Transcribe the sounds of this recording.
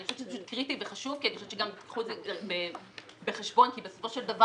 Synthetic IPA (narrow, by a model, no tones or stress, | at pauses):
niχoʃe̥t͡ʃezepaʃu̥t̪̚kʁitiveχaʃuvkianiχoʃet͡ʃeɡamt̪it̪kχuezebe | beχeʃbo̞nkibesofoʃeld̪ava